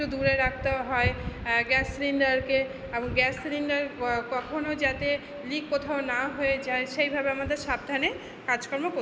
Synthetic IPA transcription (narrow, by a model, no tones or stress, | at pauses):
ud̪uɾeɾak̚ʰt̪eɦɔeɡɛsɾiɳɖaɾke | eboŋɡɛsɾiɳɖaɾkɔkʰonod͡ʑat̪e | likːot̪ʰaonaɦoed͡ʑaeʃejbʱabeamad̪eɾʃab̚d̪ʱane | kad͡ʑkɔɾmoko